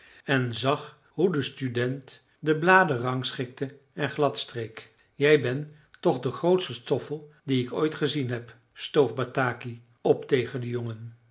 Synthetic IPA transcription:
ɛnzɑχ | ɦudəstydɛnt | dəblaːdərɑŋsχɪk̚tə | ɛnχlɑtstrejk | jɛjbɛn | tɔχdəχrowtstəstɔfəlˠ | diɪko̰jtχəzinɦɛp | stowfbataːki | ɔptejχəndəjoŋən

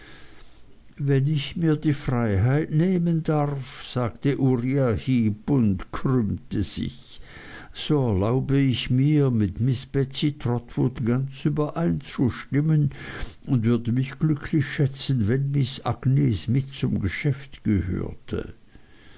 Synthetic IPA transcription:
vɛnɪçmiːɐdiːfʁ̥aɪɦaɪtneːməndaʁfz̥aːɡtəʔuʁiahiːbʊntkʁʏmtəz̥ɪ̰ç | z̥oːɛɐlaʊbəɪçmiːɐmɪtmɪsb̥ɛt͡sitʁ̥ɔtv̥ʊtɡ̥ant͡syːbɐʔaɪnt͡suʃtɪmənʔʊntv̥ʏɐdəmɪçɡ̥lʏkʰlɪçʃɛt͡sən̩vɛnmɪsa̰ɡ̥nesmɪtt͡sʊmɡəʃɛftɡ̥əhø̰ːɐtʰə̰

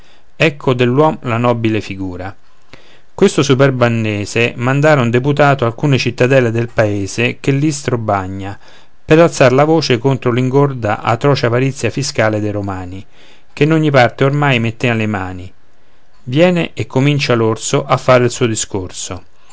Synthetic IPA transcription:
ɛkʰːod̪elːwɔmlanɔːbilefiɡuːɾa | kwest̪osupɛrbanːɛːzemand̪aːɾaund̪eput̪aːt̪oalkuːnet͡ʃit̪ːad̪ɛled̪elpaeːzek̟elːist̪ɾobaɲːa | peɾalt̪saɾlavoːt͡ʃekont̪ɾoliŋɡord̪a̰ʔa̰t̪ɾɔːt͡ʃapaɾit̪sːjafiskaːled̪ejɾomaːni | k̟enːoɲːipart̪eormajmet̪ːealemaːni | vjɛːneʔekːomint͡ʃalorsoʔafːaːɾeilsuːod̪iskorso

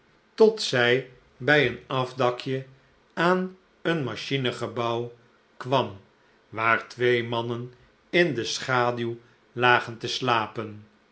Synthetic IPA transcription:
tɔtsɛj | bɛjənɑvdɑkʰjə | aːn | ənmaʃinəχəbɑw | kʋɑm | ʋaːɹtʋejmɑnən | ɪndəsχaːdyw | laːχəntəslaːpən

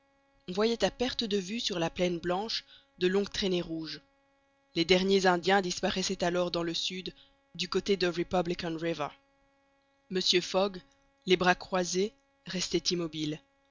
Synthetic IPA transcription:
ɔ̃vwajɛt̪apɛʁt̪əd̪əvysyʁlaplɛnblɑ̃ʃ | d̪əlɔ̃ɡt̪χeneʁuʒ | led̪ɛʁnjezɛ̃d̪jɛ̃d̪ispaʁɛsɛt̪alɔʁd̪ɑ̃ləsyd̪ː | ykot̪ed̪əʁipablikɔnʁivə | məsjøfɔɡ | lebʁakχwaze | ʁɛst̪ɛt̪imɔbil

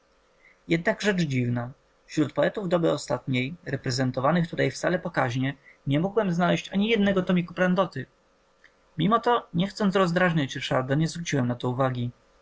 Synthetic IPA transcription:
jɛd̪naɡʐɛt͡ʂd͡ʑivna | fɕɾut̪̚pɔɛt̪uvd̪ɔbɘɔst̪at̪ɲejɾɛpɾɛzɛnt̪ɔvanɘxt̪ut̪ajft̪salɛpɔkaʑɲɛɲɛmuɡwɛmznalɛɕt͡ɕaɲijɛd̪̚nɛɡɔt̪ɔmʲikupɾand̪ɔt̪ɘ | mʲimɔt̪ɔɲɛxt̪sɔnt̪ɾɔzd̪ɾaʐɲat͡ɕɾʂaɾd̪aɲɛzvɾut͡ɕiwɛmnat̪ɔuvaɡʲi

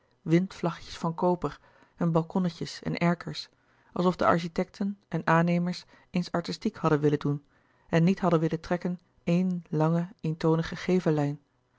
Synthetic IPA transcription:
ʋɪntflɑχjə̥sfɑnkowpəɹ | ɛnbɑlˠkɔnəcəsɛ̰nʔɛɹkəɹs | ʔɑ̰lˠsɔfdə̰ʔɑ̰ɹʃitɛk̚tʰənʔɛnaːnejməɹs | ejnsɑɹtɪstikhɑdənʋɪləndun | ɛnːitɦɑdənʋɪlətrɛkən | ejnlɑŋəejntownəχəχejvəlɛjn

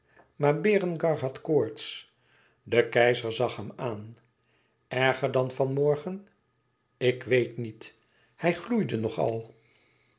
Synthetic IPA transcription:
maːɹbɪːrənɡɑɹɦɑtkoːɹts | dəkɛjzəɹzɑχɦɛmaːn | ɛɹχəɹdɑnvɑnmɔɹχən | ɪkʋejtnit | hɛjχlujdənɔχɑ̰lˠ

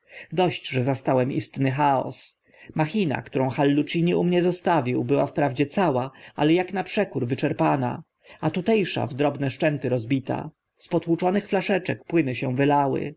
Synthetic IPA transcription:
d̪ɔɕt͡ɕʐɛzast̪awɛmist̪nɘxaɔ̰s | maxʲina̰kt̪uɾɔ̃w̃xalːut͡ʂiɲiumɲɛzɔst̪avʲiwbɘwafpɾavd͡ʑɛt̪sawaalɛjaknapʂɛkuɾvɘt͡ʂɛɾpana̰ | at̪ut̪ɛjʂa̰vd̪ɾɔbnɛʂt͡ʂɛnt̪ɘɾɔzbʲit̪a̰ | spɔt̪wut͡ʂɔnɘxflaʂɛt͡ʂɛk̚pwɘnɘɕɛ̃vɘlawɘ̰

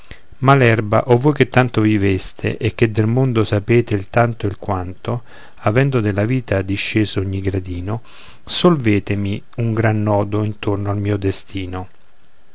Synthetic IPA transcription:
malɛrba̰ʔɔvːojket̪ːant̪ovivest̪ʰḛʔekːed̪ːelmond̪osapeːt̪eilt̪ant̪oilkwant̪o | avɛnd̪od̪elaviːt̪ad̪iʃːeːzooɲːiɡɾad̪iːno | solveːt̪ɪmi | uŋɡɾanːɔːd̪oint̪ornoalmiːod̪est̪ʰiːno

